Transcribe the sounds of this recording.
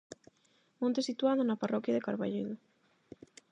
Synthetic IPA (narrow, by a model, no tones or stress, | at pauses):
mõnt̪esit̪uaðonaparɔkjaðekaɾβaʎeðo